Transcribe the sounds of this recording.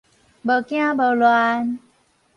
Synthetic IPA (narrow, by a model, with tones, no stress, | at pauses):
bə˨˩kj̃ã˦bə˨˩lwa˧˦n